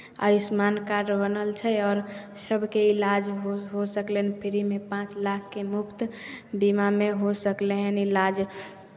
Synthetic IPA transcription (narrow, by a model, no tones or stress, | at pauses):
ə̰ɪsmankaɖbənəlt͡ʃʰɛɔːɾ | ʃəbʱkeɪlad͡ʒɦoɦosəklenpʰɪɾimepãt͡ʃlakʰːemʊkt̪bimameɦosəkleɦɛnilad͡ʒ